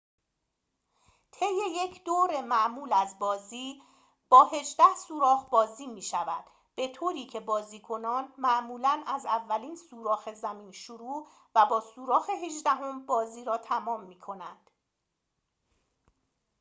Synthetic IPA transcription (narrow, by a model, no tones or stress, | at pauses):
t̪ʰe̞jːe̞je̞cʰd̪oːɾe̞mæʔmuːlæzbɒːziː | b̥ɒːhe̞d͡ʒd̪æhsuːɾɒːhbɒːziːmiːʃævæd̪̥ | b̥e̞t̪ʰoːɾiːcʰe̞bɒːziːkʰo̞nɒːnmæʔmuːlænæzævːæliːnsuːɾɒːxe̞zæmiːnʃoɾuː | væbɒːsuːɾɒːxe̞ɦeʒd̪æɦo̞mbɒːziːɾɒːt̪ʰæmɒːmːiːkʰo̞nænd̪̥